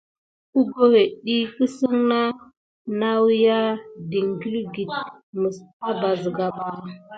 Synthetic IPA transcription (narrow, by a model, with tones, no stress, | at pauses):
u˦ɡo˦he˨ɗi˦ki˦si˦ŋna˦ | na˦wja˦di˨ŋɡi˦lɡi˨t̚mə˨sa˦ba˨zə˨ɡa˨ba˨